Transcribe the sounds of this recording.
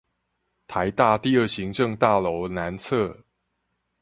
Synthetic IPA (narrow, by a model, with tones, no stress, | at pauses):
t̪ʰa˨˦ɪt̪a˥˧t̪i˥˧ə˥˩ɕi˨˦ŋʈ͡ʂɤ˥˨ŋt̪a˥˩lo˧˦˥ʊna˧˦nt͡sʰɤ˥˩